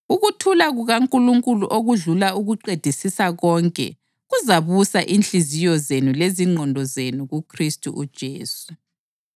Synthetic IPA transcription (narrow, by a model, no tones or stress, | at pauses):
uɣutʰulaɣuɣaŋkʼuluŋkʼuluʔoɣuɮulauɣuǃed̥ʱisisaɣɔŋkʼɛ̰ | ɣuzaβusaʔint͡ɬizijɔzenuleziŋ͡ǃʱɔndʱɔzenuɣukʰristʼṵʔud̥ʒ̥ʱeːsu̥